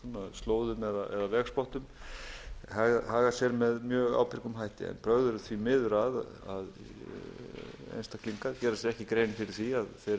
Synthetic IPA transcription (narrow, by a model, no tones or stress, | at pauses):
maðst̪loːwðʏmɛðaʔɛ̰ðavɛːɣspɔht̪ʏm | haːɣhaːɣasjɛɾmɛðmjœːɣa̰ːwpʰɪɾ̥kʏmɦajht̪ɪ̰ɛ̰npʰɾœɣðʏɾʏθvimɪðʏɾaða̰ð | ḛjnst̪akʰliŋkaðcɛːɾasjɛɾɛhcɪkɾeːjnɪfɪɾɪɾ̥θiaðθe